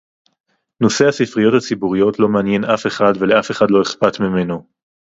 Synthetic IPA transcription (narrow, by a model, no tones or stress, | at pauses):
no̞se̞asifʁijo̞that͡sibuʁijo̞tlo̞meanje̞nʔafe̞χadve̞le̞afe̞χadlo̞eχpatmime̞no